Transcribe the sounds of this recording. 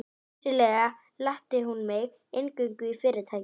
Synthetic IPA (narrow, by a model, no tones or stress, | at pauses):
nɛ | t͡ɕɪlɛːɣa | laht̪ɪɦunmeɣ | ejŋkʏŋkʏifɪɾɪɾ̥t̪ʰaːj